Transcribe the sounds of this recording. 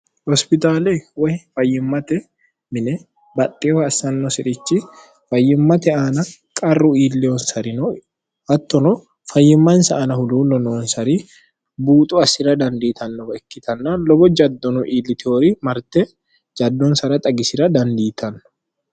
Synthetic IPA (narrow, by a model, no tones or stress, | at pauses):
hɔspɪt̪aːlɛwɐhɪfɐjːɪmːɐt̪ɛ | mɪnɛ | bɐt̪ʼːɪːɐsɐnːɔsɪᶑɪt͡ʃːɪ | fɐjːɪmːɐt̪ɛaːnɐkʼɐrːʊiːlːɛɔnsɐɾɪnɔ | hɐt̪ːɔnɔ | fɐjːɪmːɐnsɐːnɐhʊd̪uːlɔnoːnsɐɾiː | buːt̪ʼuɐsɪɾɐd̪ɐnd̪iːt̪ʰɐnːɔɛkːɪt̪ʰɐnːaːlɔbɔd͡ʒɐd̪ːɔnʊʔiːlːɪt̪ɪoɾimɐɾt̪ɛ | d͡ʒɐd̪ːɔnsɐɾɐt̪ʼɐɡɪsɪɾɐd̪ɐnd̪iːt̪ʰɐnːɔ̥